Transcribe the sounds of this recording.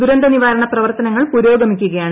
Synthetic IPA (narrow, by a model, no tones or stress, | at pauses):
uɾɐnd̪ɐniʋaːɾɐɳɐprɐʋɐrt̪ɐnɐŋːɐɭpuɾo̞ːɡɐmikʲːuɣɐjaːɳ